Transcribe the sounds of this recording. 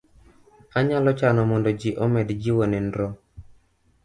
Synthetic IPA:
aɲalɔt͡ʃanɔmɔndɔd͡ʒiʔɔmɛdd͡ʒɪwonɛndɾo

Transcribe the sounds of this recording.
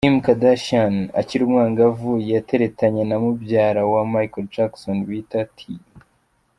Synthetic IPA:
imkadaʃana̰ciɾumŋaːŋɡavujate̞ɾetaɲe̞namubjaːɾawamajkold͡ʒaksonwitatʰi

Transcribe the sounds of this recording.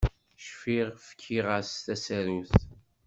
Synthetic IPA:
ʃfiʁfə̥kʰːiʁast̪æsæɾuθ

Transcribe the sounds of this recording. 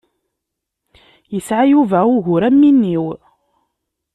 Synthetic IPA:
jəsʕajuvæʊʝʊɾæmːinːiw

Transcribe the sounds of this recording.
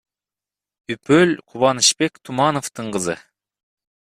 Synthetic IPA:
ypølʲqʰuβɑnɨʃpe̞kt̪ʰumɑnoft̪ɯɴqɯzɯ̰

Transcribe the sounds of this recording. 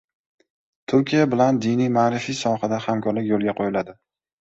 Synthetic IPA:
t̪ʰʊɾkʲijabɪland̪inijmaːɾɪfisɒhad̪ahamkʰɒɾlɪkʲjolˠɡʲaqʰojɪlad̪ɪ

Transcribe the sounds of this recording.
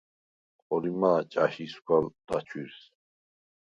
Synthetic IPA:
qʼɔlimaːt͡ʃʼaʃisɡʷald̪̥at͡ʃʰwiɾs

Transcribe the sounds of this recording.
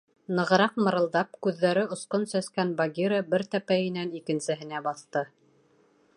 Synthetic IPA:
nɤ̆ʁɤ̆ɾɑqmɤ̆ɾɤ̆lˠd̪ɑpkʉðːæɾɘŏsqonsæskænbaɡʲiɾəbɘɾt̪æpæjɘ̆nænikɘ̆nsɘ̆ɦɘ̆næbɑθt̪ɤ

